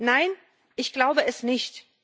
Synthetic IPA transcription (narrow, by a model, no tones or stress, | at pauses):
naɪn | ʔɪçɡ̥laʊbəɛsnɪçt